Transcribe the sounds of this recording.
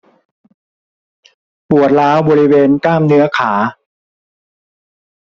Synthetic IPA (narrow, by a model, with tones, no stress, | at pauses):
pu˨˩ət̪̚ɾaː˦˥wbɔː˧ɾi˦˥weː˧nklaː˥˩mnɯ˦˥ɐkʰaː˩˦